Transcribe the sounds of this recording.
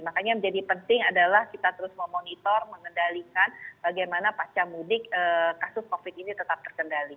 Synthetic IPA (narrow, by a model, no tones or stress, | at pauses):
makaɲaməɲd͡ʒadipənt̪ɪŋadalahkit̪at̪əɾʊsmamonit̪ɔrməŋəndalikanb̥aɡajmanapat͡ʃamudɪkəːkasʊskofɪt̪init̪ət̪ap̚t̪ərkəndali